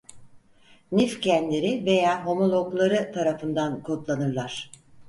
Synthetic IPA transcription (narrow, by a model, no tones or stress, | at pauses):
nifcʰænlʲe̞ɾive̞jaːɦo̞mo̞lˠo̞ɡlˠaɾɯt̪ʰaɾafɯnd̪ankʰot̪lˠanɯɾlˠaɾ̥